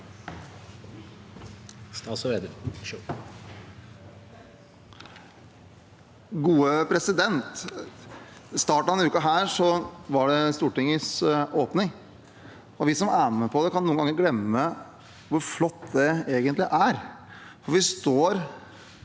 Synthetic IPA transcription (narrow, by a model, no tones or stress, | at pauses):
st̪ɑːsɔed̪ə | ɡuːəpʰɾɛsɪd̪ɛnt̪ | st̪ɑːʈɑɛnʉːkɑɦæːɾʂɔʋɑɖɛst̪uːʈɪŋːəsoːpnɪŋ | ɔʋɪsɔmæːnəpʰɔd̪ɛkʰɑnːuːəŋɡɑŋːəɾɡlɛmːə | ʋʊɾflɔt̪ːd̪ɛeːɡənt̪lɪʔæɾ | fɔɾʋɪst̪oːɾ